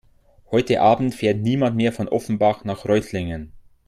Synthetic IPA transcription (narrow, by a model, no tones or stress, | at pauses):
hɔʏtəʔaːbn̩tfeːɐtniːmantmeːɐfɔnʔɔfn̩baχnaːχʁœʏtʰlɪŋən